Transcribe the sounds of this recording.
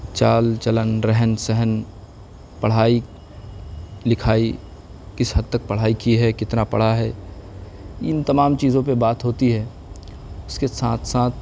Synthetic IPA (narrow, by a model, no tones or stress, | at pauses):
t͡ʃaːlt͡ʃɐlənɾɛɦənsɛɦən | pɐɽ̤aːi | lɪkʰaːi | kɪsɦɐd̪̚t̪ək̚pɐɽ̤aːikiɦɛkɪt̪napɐ̰ɽ̤aɦɛː | ɪnt̪ɐmaːmt͡ʃiːzõpebaːt̪ɦoːt̪iɦɛː | ʊskesãːt̪ʰsãːt̪̚ʰ